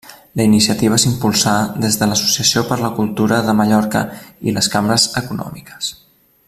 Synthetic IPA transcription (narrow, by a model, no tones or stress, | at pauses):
ləinisiət̪iβ̞əesimpulˠsaðezðələsu̥siəsiopəɾləkulˠt̪uɾəðəməʎɔɾkə̰iləskambɾəzəkunɔ̰mikə̥s